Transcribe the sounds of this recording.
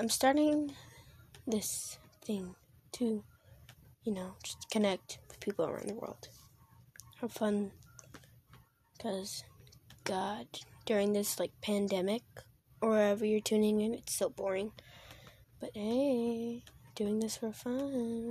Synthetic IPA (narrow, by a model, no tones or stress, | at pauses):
ãɪ̃mstɑɹɾɪ̃ŋ | ðɪsθɪ̃ŋ | tʰɨ | jɨnoʊ̥d͡ʒ̥ʌ̥skʰɨnɛk̚twɨð̥pʰipl̩ˠə̰˞ã̰ʊ̃nðəwɜ̰˞lˠd̥ | haʊfʌ̃n | kʰʌz̥ɡ̥ɑd̥d̥ʊɹɪ̃ŋðɪslaɪk̚pʰæ̃ndɛmɪk | ə˞ʌɛvə˞jə˞tʰʉ̃nɪ̃ŋɨ̃nɨtstɪlˠbɔɹɪ̃ŋ | b̥ʌtheɪ | d̥ʉɪ̃ŋðɪsfə˞fʌ